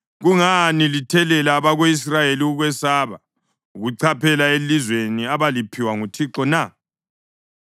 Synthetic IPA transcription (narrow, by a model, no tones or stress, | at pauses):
ɣuŋanilitʰɛlɛlaːβaɣois̬rajeliuɣwɛsaːβa̰ | uɣuǀʰapʰɛlaelizweniaβalipʰiwaŋutʰiǁɔna